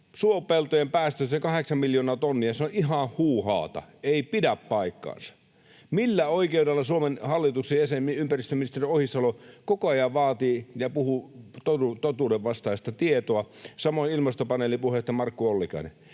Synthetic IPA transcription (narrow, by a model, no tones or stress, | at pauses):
suopelt̪ojempæːst̪øsekɑheksɑmmiljoːnɑːt̪onːiɑseoʔʔiɦɑhhuːhɑ̰ːt̪ɑ̰eipidæppɑikːɑ̰ːnsɑ̥ | milːæoikeudelːɑsuomenhɑlːit̪uksejjæsemiympærist̪øminist̪eriohist̪ɑlokokoɑjɑʋʋɑːt̪iːjɑpuhut̪out̪ot̪uːdeʋʋɑst̪ɑist̪ɑt̪iet̪oɑsɑmoˑinilmɑst̪opɑnelipuhet̪jɑmɑrkːuolːikɑ̰inḛ